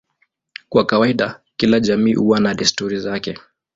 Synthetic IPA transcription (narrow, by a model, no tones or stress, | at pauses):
kwakawaiɗakilaʄamiːʔuwanaɗistuɾizakɛ